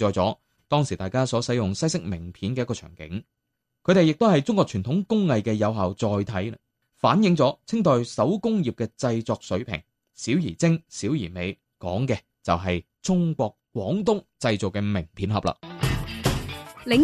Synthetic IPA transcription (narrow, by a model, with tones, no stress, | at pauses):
ɔː˨jt͡sɔː˨˥ | t̪ɔː˥ŋsiː˨˩t̪aː˨˩jkaː˥sɔː˨˥sɐ˨˥jʊ˨ŋsɐ˥jsɪ˥k̚mɪ˨˩ŋpʰiː˨˥nkɛː˧jkɔː˧t͡ʃʰœ̰ː˨˩ŋkɪ̰˨˥ŋ | kʰɵ˨˧ɥɾe˨jɪ˨k̚t̪o˥whɐ˨jt͡sʊ˥ŋkʷɔː˧kt͡ʃʰyː˨˩nt̪ʰʊ˨˥ŋkʊ˥ŋːɐ˨jkɛː˧jɐ˨˧wɦaː˨wt͡sɔː˨jt̪ʰɐ˨˥j | faː˨˥njɪ˨˧ŋt͡sɔː˨˥t͡sʰɪ˥ŋt̪ɔː˧jsɐ˨˥wkʊ˥ŋjiː˨p̚kɛː˧t͡sɐ˧jt͡sɔː˨˧k̚sɵ˨˥ɥpʰɪ̰˨˩ŋ | siː˨˥wjiː˨˩t͡sɪ˥ŋsiː˨˥wjiː˨˩me˨j | kɔː˨˥ŋkɛː˧ | t͡sɐ˨wɦɐ˨j | t͡sʊ˥ŋkʷɔː˧k̚kwɔː˨˥ŋt̪ʊ˥ŋt͡sɐ˧jt͡so˨kɛ˧mɪ˨˩ŋpʰiː˨˥nɦɐ˨p̚lɐ̰ː˨ | lɪ˨˧